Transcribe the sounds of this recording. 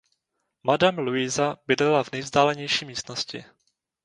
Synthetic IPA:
madamluɪzabɪdlɛlavnɛjvzdaːlɛɲɛjʃiːmiːst̪noscɪ̰

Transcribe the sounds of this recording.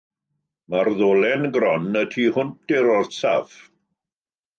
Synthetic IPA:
marðoːlɛnɡɾɔnətʰiːhʊnt̚ɪɾɔrsav̥

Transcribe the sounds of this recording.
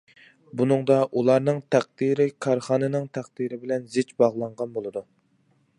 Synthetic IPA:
bunɨŋd̪ɑʔulˠɑɾnɨŋt̪ʰæq̚d̪iɾɪkʰɑɾχɑːnɨnɨŋt̪ʰæq̚d̪̥iɾɪbɪlɛnzɪt͡ʃbɑʁlˠɑɴʁɑnbolˠɨd̪u

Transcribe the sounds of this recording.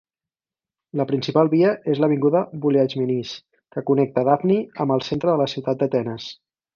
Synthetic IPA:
ləpɾinsipalˠβiəʔezləβ̞iŋɡuðəβulead͡ʒminis | kəkunɛk̚t̪əðavniəmbəlˠsent̪ɾəðələsiwt̪at̪̚d̪ət̪ɛnəs

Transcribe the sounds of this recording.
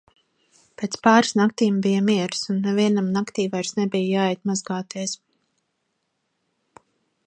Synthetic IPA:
pʲet̪spaːɾsnakt̪iːmbijəmiɛɾsunːɛviɛnamnakt̪iːvajɾsnɛbijjaːɛjt̪̚mazɡaːt̪iɛs

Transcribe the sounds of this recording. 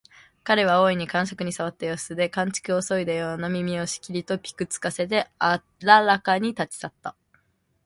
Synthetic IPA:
kaɾe̞β̞ao̞ːiɲ̟ikãɰ̃ɕokɯ̟ɲ̟isaβ̞at̪ːajosɨd̪e̞kãɲ̟t͡ɕi̥kɯ̟o̞so̞id̪ajo̞ːnamʲimʲio̞ɕi̥kʲiɾʲit̪o̞pʲi̥kɯ̟t͡sɨ̥kase̞t̪̬e̞ | ɾaɾakaɲ̟it̪at͡ɕi̥sat̪ːa

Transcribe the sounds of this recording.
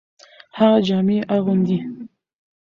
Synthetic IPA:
haɣad͡ʒɑmeʔaɣʊnd̪i

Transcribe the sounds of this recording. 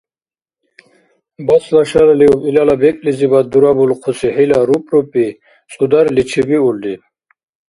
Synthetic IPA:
baslaʃalaliupilalabɛkʼlizibad̪uɾabulqʰusiɦɛlaɾupʼɾupʼi | t͡sʼud̪aɾlit͡ʃʰibiuld̪i

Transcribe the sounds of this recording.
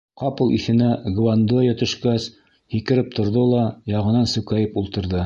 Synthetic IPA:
qɑpɤlˠiθɘ̆næɡvand̪ojat̪ɵ̆ʃkæs | hikɘ̆ɾɘp̚t̪ʰŏɾðolˠɑjɑʁɤ̆nɑnsɵ̆kæjɘpulˠt̪ɤ̆ɾðɤ

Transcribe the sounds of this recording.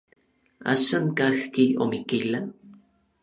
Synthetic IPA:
a̰ʃaŋkaxkiomikila

